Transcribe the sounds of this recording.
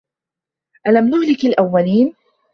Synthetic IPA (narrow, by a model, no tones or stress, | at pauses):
ʔalamnʊhlɪkalʔawːaliːn